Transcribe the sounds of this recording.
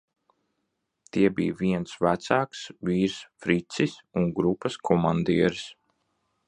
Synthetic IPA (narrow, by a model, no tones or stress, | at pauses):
t̪iɛbḭːviɛnsvæt̪saːksviːɾsfɾit̪sisuŋɡɾupːaskʰɔmand̪iɛɾs